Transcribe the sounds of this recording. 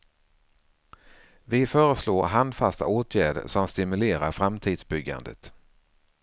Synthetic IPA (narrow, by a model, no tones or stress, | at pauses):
vɪfœːɾəsloːɾɦand̪fast̪a̰oːt̪ʰjæːɖə̰ʂɔmst̪ɪmɵleːɾaɾfɾamt̪ʰiːd̪sbʏɡːa̰nd̪ə̰t̪